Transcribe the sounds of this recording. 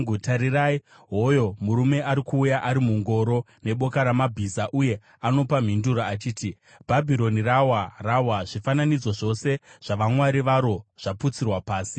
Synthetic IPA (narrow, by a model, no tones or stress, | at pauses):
utaɾirai | ɦo̞jo̞muɾume̞ʔaɾikuːjaʔaɾimuŋɡo̞ɾo̞ | ne̞ɓo̞kaɾamabʱisaʔuje̞ | ano̞pam̤induɾaːt͡ʃiːti | bʱabʱiɾo̞nirawarawaʐifananid͡zo̞ʐo̞se̞ʐ̥aʋamwaɾiʋaɾo̞ʐ̥aput͡sirwapaːsi